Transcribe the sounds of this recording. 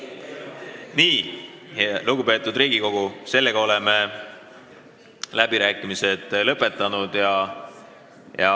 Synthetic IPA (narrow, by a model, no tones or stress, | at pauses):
niː | luɡupe̞ːt̪ːˑud̪riːɡ̥iko̞ɡ̥use̞lːe̞ɡ̥ɑo̞leme | læb̥iɾæːkːˑimise̞d̪̥lɤpˑːe̞t̪ːˑɑnud̪jɑ | jɑ